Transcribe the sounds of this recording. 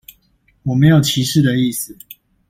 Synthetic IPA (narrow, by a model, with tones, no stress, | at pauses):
wɔ˨˩me˨˦ɪjo˨˩ʊt͡ɕʰi˧˥ʂɻ̩˥˨˩d̪ə˨i˥˨s̩˨